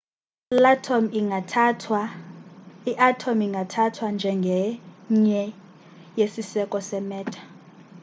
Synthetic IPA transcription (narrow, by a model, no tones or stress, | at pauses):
latʰm | iʔatʰomiŋɡʱatʰatʰwand͡ʒʱɛŋɡʱɛɲɛ | jesisɛkʼɔsɛmɛːtʰḁ